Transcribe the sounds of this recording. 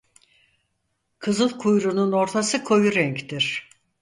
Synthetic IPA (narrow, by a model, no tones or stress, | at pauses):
kʰɯzɯlˠkʰujɾununo̞ɾt̪ʰasɯkʰo̞juɾɛɲct̪ʰiɾ̥